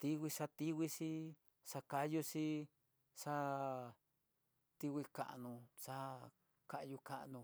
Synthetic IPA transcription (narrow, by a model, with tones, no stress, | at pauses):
t̪i˦wʷi˧ʂa˧t̪i˦wi˦˧ʂi˦ | ʂa˧ka˧ju˧si˦ | ʂa˦ | t̪i˧wi˧ka̰˧ʔnũ˧ʂa˦ | ka˧ʔju˧ka̰˧ʔnũ˧